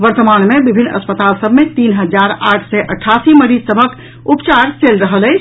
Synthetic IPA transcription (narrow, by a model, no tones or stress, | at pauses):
ʋəɾt̪əmanmebibʱinːə̰spət̪alsəbmet̪iːnɦəd͡ʒaɾaʈʰsɛʔəʈʰːasiməɾid͡ʒsəbʱək | upt͡ʃaɾselɾəɦəlɛ